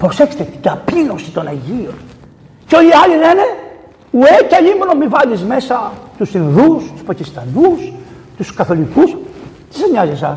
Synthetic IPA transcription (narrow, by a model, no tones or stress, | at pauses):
pɾo̞sekçse̥t̪et̪idɐpilo̞si̥t̪o̞nɐʝion | co̞ʎiɐʎilene | uecɐʎimonomivɐlizme̞sɐt̪usθinðust̪u̥spɐcist̪ɐnus | t̪uskɐθo̞likus | t̪i̥seɲɐzesɐs